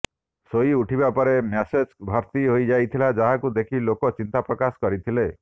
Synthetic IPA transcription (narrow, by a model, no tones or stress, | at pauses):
soiuʈʰibapɔɾemased͡ʒbʱɔɾt̪iɦojd͡ʒajt̪ʰilad͡ʒaɦakud̪ekʰilokɔt͡ʃint̪apɾɔkaskɔɾit̪ʰile